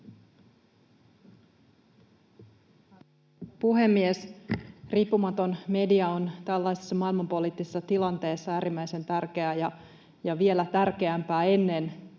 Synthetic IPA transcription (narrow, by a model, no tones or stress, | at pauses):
puɦe̞mːiesriːpːumɑt̪o̞nme̞diɑo̞nt̪ælːæjsesːɑmɑilmɑmpo̞liːt̪ːisesːɑt̪ilɑnt̪e̞ːsːɑæːɾimːæjse̞nt̪ærk̟e̞æjɑ | jɑʋie̞læt̪ærke̞æmpæːe̞nːe̞n